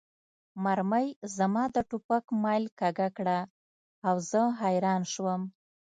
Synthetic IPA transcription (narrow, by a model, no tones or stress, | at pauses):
maɾməjzamɑd̪əʈupakmɑjlkaɡakɽa | awzəɦajɾɑnʃwəm